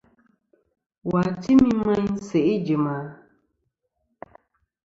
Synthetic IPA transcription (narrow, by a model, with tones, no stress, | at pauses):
wa˨ti˦mĩ˦mã˦ɲse˨ʔe˦d͡ʒi˨ma˨